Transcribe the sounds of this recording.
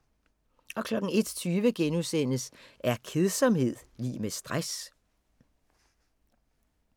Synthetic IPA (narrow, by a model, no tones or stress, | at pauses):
ʔɒ̽kʰlɒ̽ɡ̥̩e̝d̥t͡sʰyːʋəɡ̥enusen̰əsæɐkʰe̝ðˠsɒ̽mhe̝ð̞̰ˠlḭːmesd̥ʁas